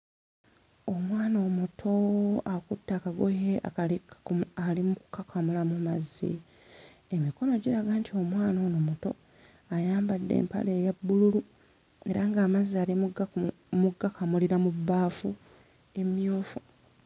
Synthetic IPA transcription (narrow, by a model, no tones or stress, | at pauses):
o̞mwaːnoːmutʰo̞akutːaːkaɡojeʔa̰kalikalimuku̥kakʰamulamumazːḭ | emiko̞no̞ɟiɾaɡaːntʰio̞mwaːnoːnomuto̞̰ | ajaːmbadːḛːmpa̰le̞ːjabːululu | e̞ɾaŋɡaːmazːiaːlimɡ | muɡakamuliɾamubːaːfu | e̞mjoːfo